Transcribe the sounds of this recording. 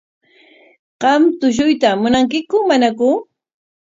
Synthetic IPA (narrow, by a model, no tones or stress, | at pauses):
qɑmt̪ʊʃ̬ʊjt̪amʊnaŋk̬ɪkʊmanakʊ